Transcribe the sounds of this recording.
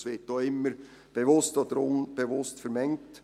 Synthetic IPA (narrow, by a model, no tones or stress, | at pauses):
sʋɪt̚d̥oːɪmːəɾ | b̥eʋʊstɔd̥̪əɾʊnb̥eʋʊstfəɾmɛŋt